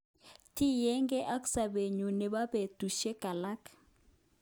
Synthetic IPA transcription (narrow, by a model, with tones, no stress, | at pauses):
ti˦jɛ˦ŋɡɛ˦ʔa˦k̬ʼu̥˦sa˨ɓe˨ɲu˨nɛ˨ɓa˦ɓe˨d̥ʱu˨ʃɛ˦ɡ̥ʱa˨la˦k